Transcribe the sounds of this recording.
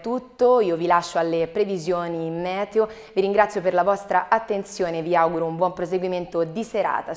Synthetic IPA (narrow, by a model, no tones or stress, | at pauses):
t̪ːut̪ːoiːovilaʃːoalːepɾevizjoːnimːɛːt̪eo | viɾiŋɡɾat̪sjoperlavɔst̪ɾaʔat̪ːent̪sjoːneviawɡuɾoumbwɔmpɾos̬eɡwiment̪od̪iseɾa̰ːt̪a